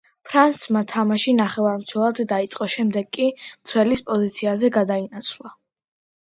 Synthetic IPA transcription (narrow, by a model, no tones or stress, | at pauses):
pʰɾant̪smat̪ʰamaʃinaχɛvaɾmt̪sʰwɛlˠad̪ːait̪sʼqʼɔʃɛmd̪ɛɡkʼːimt̪sʰwɛlispʼɔzit̪sʰiazɛɡad̪ainat̪sʰlˠa